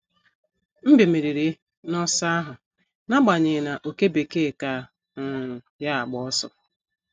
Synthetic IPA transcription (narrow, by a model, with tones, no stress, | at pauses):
m̩˦bi˨me˨ɾi˨ɾi˨ | nɔ˦sa˦ɦʊ˨ | na˦ɡ͡ba˨ɲɪ˨na˨ʔo˨ke˦be˨ke˦˨ka˦˨ | ŋ̩˦˨ | ja˦a˨ɡ͡bɔ˦ɔ˦sɔ̰˨